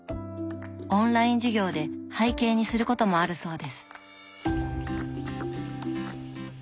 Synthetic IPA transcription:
õ̞nɾaĩɲ̟d͡ʑiɡʲo̞ːd̪e̞haike̞ːɲ̟isɨɾɯ̟ko̞t̪o̞mo̞aɾɯ̟so̞ːd̪e̞sɨ̥

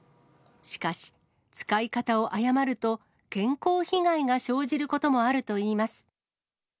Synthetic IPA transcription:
ɕi̥kaɕi̥ | t͡sɨ̥kaikat̪ao̞ʔajamaɾɯ̟t̪o̞ | kẽ̞ŋko̞ːçiɡaiɡaɕo̞ːʑiɾɯ̟ko̞t̪o̞mo̞aɾɯ̟t̪o̞iːmasɨ̥

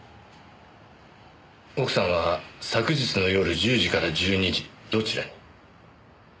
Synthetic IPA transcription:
o̞kɯ̟̥sãɰ̃βasakɯ̟ʑit͡sɨno̞jo̞ɾɯ̟ʑɨːʑikaɾad͡ʑɨːɲ̟iʑid̪̥o̞t͡ɕiɾa̰ɲi

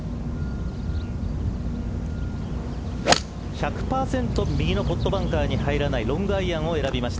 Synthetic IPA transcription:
çakɯ̟̥paːsẽ̞nt̪o̞mʲiɡʲino̞po̞t̪ːo̞bãŋkaːɲ̟ihaiɾanaiɾõ̞ŋɡɯaiãɰ̃o̞e̞ɾabʲimaɕi̥t̪a

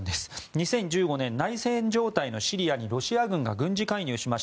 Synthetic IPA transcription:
d̪esɨ̥ɲ̟isẽ̞ɲ̟d͡ʑɨːɡo̞nẽ̞nːaisẽ̞ɲd͡ʑo̞ːt̪aino̞ɕiɾʲiaɲ̟iɾo̞ɕiaɡɯ̟̃ŋɡa̰ɡɯ̟̃ɲ̟d͡ʑikaiɲ̟ɨːɕimaɕ

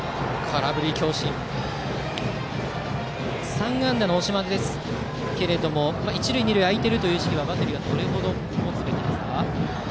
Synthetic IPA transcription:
kʰaɾabɯ̟ɾʲikʲo̞ːɕĩŋ | sãŋɡãnd̪anoːɕimad̪ed̪e̞sɨ̥ | ke̞ɾe̞d̪o̞mo̞mait͡ɕiɾɯ̟iɲ̟iɾɯ̟iait̪e̞ɾɯ̟t̪o̞jɯ̟ːɕi̥kʲiβaːbat̪ːe̞ɾɯjoɲad̪o̞ɾe̞ɦo̞d̪o̞ | mot͡sɨbe̞t̪ʲed̪esɨ̥ka

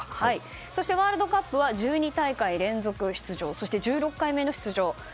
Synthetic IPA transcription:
hai | so̞ɕi̥t̪e̞βaːɾɯ̟d̪o̞kapːɯ̟βaʑɨːɲ̟it̪aikaiɾẽ̞nd͡zo̞kɯ̟ɕi̥t͡sɨʑo̞ːso̞ɕi̥t̪e̞d͡ʑɨːɾo̞kːaime̞no̞ɕi̥t͡sɨʑo̞ː

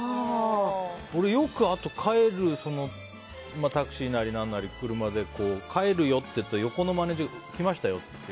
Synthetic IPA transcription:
oɾe̞jo̞kɯ̟at̪o̞kʰae̞ɾɯ̟so̞no̞ | mat̪akɯ̟̥ɕiːnaɾʲinãnːaɾʲikɯ̟ɾɯ̟mad̪e̞ko̞ːkʰae̞ɾɯjo̞t̪ːe̞jɯt̪ːajo̞ko̞no̞mane̞ːʑiɡa | kʲimaɕi̥t̪ajo̞t̪ːet̪ːe

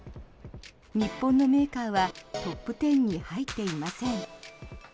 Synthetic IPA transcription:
ɲ̟ipːõ̞nːo̞me̞ːkaːβat̪o̞pːɯ̟t̪ẽ̞ɲ̟ːihait̪ːe̞imasẽ̞ŋ

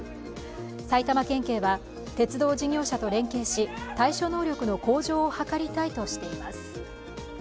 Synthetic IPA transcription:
sait̪amakẽ̞ŋke̞ːβa | t̪e̞t͡sɨd̪o̞ːd͡ʑiɲʲo̞ːɕat̪o̞ɾẽ̞ŋke̞ːɕit̪aiɕo̞ːno̞ːɾʲo̞kɯ̟no̞ko̞ːʑo̞ːhakaɾʲit̪ait̪o̞ɕi̥t̪e̞imasɨ̥

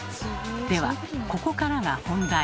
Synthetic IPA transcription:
d̪̥e̞βa̰ko̞ko̞kaɾaɡahõ̞nd̪a

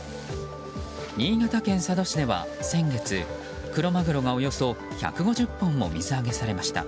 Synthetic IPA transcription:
ɲ̟ĩːɡat̪akẽ̞ɰ̃sad̪o̞ɕid̪e̞βa̰sẽ̞ŋɡe̞t͡sɨ | kɯ̟ɾo̞maɡɯ̟ɾo̞ɡao̞jo̞so̞ | ça̰kɯ̟ɡo̞ʑɨpːõ̞mːo̞̰mʲizɨaɡe̞saɾe̞maɕi̥t̪a̰

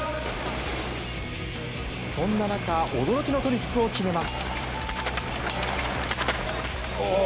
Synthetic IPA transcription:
sõ̞nːanakaʔo̞d̪o̞ɾo̞kʲino̞t̪o̞ɾʲikːɯ̟o̞kʲime̞masɨ̥

